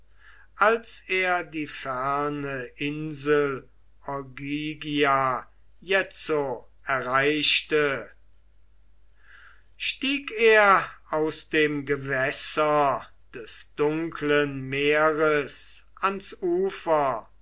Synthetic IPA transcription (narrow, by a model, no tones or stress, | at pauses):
ʔalseːɐdiːfæɐnəʔɪnzəl̩ | ɔɡiɡia | jɛt͡so | ɛɐʁaɪʃtə | ʃtiːkeːɐaʊsd̥eːmɡəvɛsɐ | d̥ɛsd̥ʊŋkʰlənmeːʁəsʔansʔuːfɐ